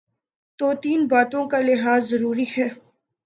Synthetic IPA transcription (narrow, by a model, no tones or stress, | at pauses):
t̪oːt̪iːnbaːt̪õkalɪɦaːzːɐɾuːɾihɛː